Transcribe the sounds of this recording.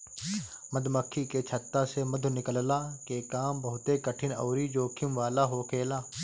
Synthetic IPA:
məd̪ʱməkʰːiket͡ʃʰət̪ːaseməd̪ʱʊnɪkəllaːkekaːmbəɦʊt̪ekəʈʰɪnɔ̰ːɾid͡ʒoːkʰɪmʋaːlaɦokʰeːlaː

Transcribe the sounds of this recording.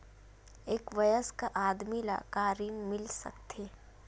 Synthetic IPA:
eːkʋɐjəskaʔaːd̪mila̰kaːɾinmɪlsɐ̰kt̪ʰeː

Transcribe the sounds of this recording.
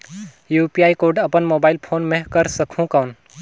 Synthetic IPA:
juːpiaːikoːɾɖɐpənmoːbaːɪlpʰoːnmẽkɐɾsɐkʰũkaːʊn

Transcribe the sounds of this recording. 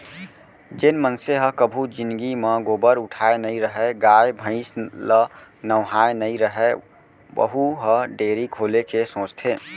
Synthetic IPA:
d͡ʒenmənseɦə̃kəbʱud͡ʒind̪ɡimə̃ɡoːbəɾʊʈʰaenəiɾəɦɛɡaebʱə̃ɪ̃slənəʋɦaenəiɾəɦɛ | ʋə̰ɦuɦə̃ɖeːɾikʰoːlekesõːt͡ʃt̪ʰe

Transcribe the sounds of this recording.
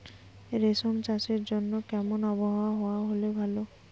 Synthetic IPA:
ɾesɔmt͡ʃasiɾd͡ʒɔnːɔkɛmɔnɔbɔɦaaɦowaɦolebʱalo

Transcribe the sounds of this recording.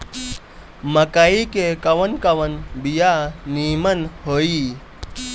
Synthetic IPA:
məkaikekɐʋənkɐʋənbijaniːmənhoːi

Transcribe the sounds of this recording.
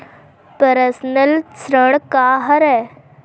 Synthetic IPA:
pəɾəsnəlsɾəɽ̃kaɦəɾɛ

